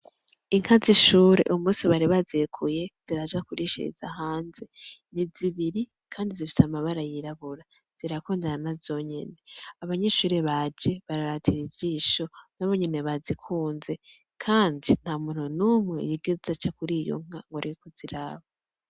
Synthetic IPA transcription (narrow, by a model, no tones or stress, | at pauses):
iŋ̥haziʃuːɾe̞̰ʔumuːsiβaɾiβazekʰuje̞z̥iɾad͡ʒakuɾiʃḭḭz̥a̰ɦaːnze̞niziβiɾi | kʰaːndizifi̥tamaβaɾajiɾaβuɾa | z̥iɾakuːndaɾanazo̞ɲḛne̞aβaɲeːʃuːɾeβad͡ʒe̞βaɾaɾatʰiɾivɟiʃo̞naβo̞ɲene̞βazikʰuːnze̞ | kʰaːndin̥hamuːn̥hunumŋejiɡezat͡ʃakuɾijo̰ŋ̥aŋɡoɾiikoz̥iɾaβa